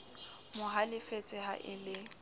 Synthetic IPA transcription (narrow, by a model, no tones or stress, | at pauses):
mʊɦalɪfet͡sʼɪɦa̰ʔɪlɪ